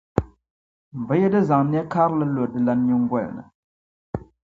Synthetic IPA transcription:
m˨bə˨˦je˦də˦za˨ŋnɛ˦kʰa˦ɾlə˦lo˨də˨la˨ɲu˦˨ŋ˦ɡa˦˨l̰nə̰˨

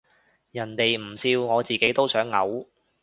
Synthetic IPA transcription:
jɐ˨˩nt̪e˨jm̩˨˩siː˧wŋɔː˨˧t͡siː˨ke˨˥jt̪o˥wsœː˨˥ŋːɐ˨˥w

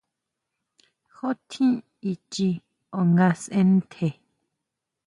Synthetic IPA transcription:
ho˦t̪ʰĩ˦ | i˧t͡ʃi˧ | o˨ŋɡa˧sẽ˦n˦t̪ʰe˧˨

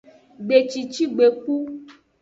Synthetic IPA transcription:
ɡ͡be˨t͡ʃi˨t͡ʃi˦ɡ͡be˨k͡pu˦

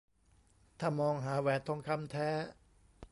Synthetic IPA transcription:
t̪ʰaː˥˩mɔː˧ŋɦaː˩˦wɛː˨˩t̪ʰːo˧ŋkʰa˧˥˨mt̪ʰɛː˦˥

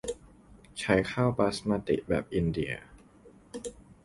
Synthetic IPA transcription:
t͡ɕʰa˦˥jkʰaː˥˩wpaː˦˥smaː˧t̪ḭ˨˩ʔbɛ̰ː˨˩p̚ʔi˧ndi˨˩ɐ

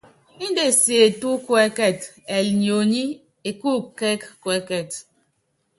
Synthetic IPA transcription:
ni˦de˨se˨e˨tu˦kwe˦kɛ˦˨t | e˨lɲ˨o˨ɲi˦ | e˨ku˦ke˦kkwe˦kɛ˨t

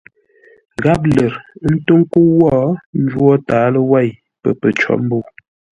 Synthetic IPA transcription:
ɡa˦p̬̚lə˨ɾn̩˦to˦ŋ˦ko˦wɔ˦n̩˦d͡ʒwɔ˦taː˨˦lə˦wa˦˨j | pə̰˨pə˨t͡ʃɔ̰˦m̩˦bo˦˨

